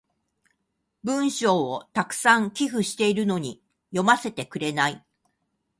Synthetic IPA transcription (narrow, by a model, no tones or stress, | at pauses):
bɯ̟̃ɰ̃ɕo̞ːot̪akɯ̟̥sãŋkʲiɸɯ̟ɕi̥t̪e̞iɾɯ̟no̞ɲ̟i | jo̞mase̞t̪e̞kɯ̟ɾe̞nai